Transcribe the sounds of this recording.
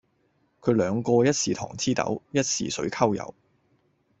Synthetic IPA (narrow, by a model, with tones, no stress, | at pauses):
kʰɵ˨˧ɥlœː˨˧ŋkɔː˧jɐ˥t̚siː˨t̪ʰɔ̰ː˨˩ŋt͡sʰiː˥t̪ɐ̰˨˥wjɐ˥t̚sḭː˨˧sɵ̰˨˥ɥkʰɐ˥wjɐ̰˨˧w